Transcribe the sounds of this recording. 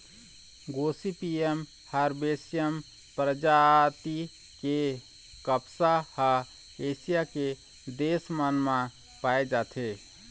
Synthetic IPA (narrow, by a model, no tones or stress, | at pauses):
ɡoːsipiem | həɾbeːsjəm | pɾəd͡ʒaːt̪i | ke | kəpsaha | eːsijake | d̪eːsmənmã | paːed͡ʒaːt̪ʰeː